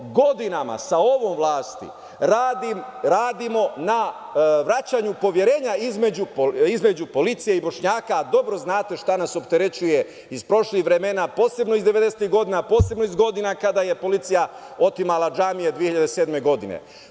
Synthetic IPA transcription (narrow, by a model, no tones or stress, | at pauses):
ɡo̞d̪inama̰sao̞ʋo̞ːmʋlˠaːst̪ḭ | ɾaːd̪imɾaːd̪imo̞na | ʋɾat͡ɕaɲupo̞ʋje̞ɾe̞ːɲaizme̞d͡ʑupoizme̞d͡ʑupo̞lit̪sijeibo̞ʃɲaːkad̪o̞bɾo̞znaːt̪e̞ʃt̪anaso̞pt̪eɾe̞t͡ɕuje̞ | izpɾo̞ʃlixʋɾe̞menapo̞ːse̞bno̞izd̪e̞ʋed̪eset̪iɣɡo̞d̪inapo̞ːse̞bnoizɡo̞d̪inakad̪aje̞po̞lit̪sijao̞t̪imalad͡ʒaːmijed̪ʋiehiʎad̪esed̪me̞ɡo̞d̪inḛ